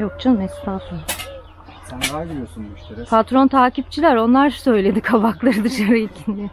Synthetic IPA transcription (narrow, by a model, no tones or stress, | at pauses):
jok̚t͡ʃʰanmɛst̪ʰaːfɯn | pʰat̪ɾo̞nt̪ʰaːcip̚t͡ʃʰilʲæɾo̞nlˠaɾsø̞jlʲe̞d̪ikʰabaklˠaɾɯd̪ɯʃaɾɯilʲcʰind͡ʒɛ